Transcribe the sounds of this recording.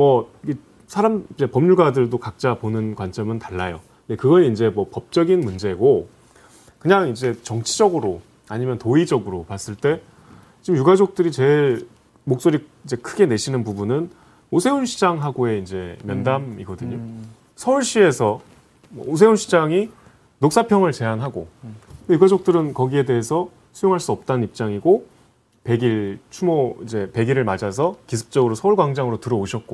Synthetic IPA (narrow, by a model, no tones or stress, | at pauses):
mʌiɡe | sʰaɾamid͡ʑe̞pʌmɲuɭɡadɯɭdokak̚t͡ɕ͈aponɯnkwant͡ɕ͈ʌmɯntaɭːajo | ndekɯɡʌɾind͡ʑe̞mwʌpʌp̚t͡ɕ͈ʌɡinmund͡ʑe̞ɡo | kɯɲaŋid͡ʑe̞t͡ɕʌŋt͡ɕʰid͡ʑʌɡɯɾo | aɲimjʌntoid͡ʑʌɡɯɾopas͈ɯɭt͈e̞ | t͡ɕimjuɡad͡ʑok̚t͈ɯɾit͡ɕe̞ɭ | mok̚s͈oɾiid͡ʑe̞kʰɯɡe̞ne̞ɕʰinɯnpubunɯn | osʰe̞unɕʰid͡ʑaŋɦaɡoe̞ind͡ʑe̞mjʌndamiɡʌdɯɲo | sʰʌuɭɕ͈ie̞sʰʌ | mwʌosʰe̞unɕʰid͡ʑaŋi | nok̚s͈apʰjʌŋɯɭt͡ɕe̞jaŋɦaɡo̰ɯndejuɡad͡ʑok̚t͈ɯɾɯnkʌɡie̞de̞ɦesʰʌ | sʰujoŋɦaɭs͈uʌp̚t͈anɯnip̚t͡ɕ͈aŋiɡo | pe̞ɡiɭt͡ɕʰumoid͡ʑe̞pe̞ɡiɾɯɭmad͡ʑas̬ʰʌkisʰɯ̥p̚t͡ɕ͈ʌɡɯɾosʰʌuɭɡwaŋd͡ʑaŋɯɾotɯɾʌoɕʰʌt̚k͈o